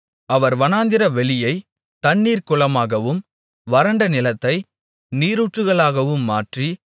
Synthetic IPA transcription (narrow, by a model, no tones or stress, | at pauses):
ɐʋɐɾʋɐnaːnd̪ɪɾɐʋɛɭɪjɐɪ | t̪ɐɳːiːɾkʊɭɐmaːɣɐʋɯm | ʋɐɾɐɳɖɐnɪlɐt̪ːɐɪ | niːɾuːʈrɯɣɐɭaːɣɐʋɯmːaːʈri